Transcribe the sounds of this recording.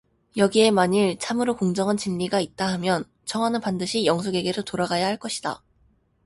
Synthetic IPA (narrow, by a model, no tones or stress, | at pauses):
jʌɡie̞maɲiɭt͡ɕʰamɯɾokoŋd͡ʑʌŋant͡ɕiʎːiɡait̚t͈aɦamjʌn | t͡ɕʰʌŋɦwanɯnpandɯɕʰijʌŋsʰoɡe̞ɡe̞ɾotoɾaɡajaɦaɭk͈ʌɕʰid̥a̰